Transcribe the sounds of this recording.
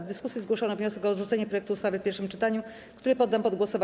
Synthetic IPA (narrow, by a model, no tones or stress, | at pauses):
d̪ɘskusjizɡwɔʂɔnɔvɲɔsɛkɔːd̪ʐut̪sɛɲɛpɾɔjɛkt̪uːst̪avɘfpʲɛɾʂɘmt͡ʂɘt̪aɲu | kt̪uɾɘpɔd̪ːampɔd̪ɡwɔsɔv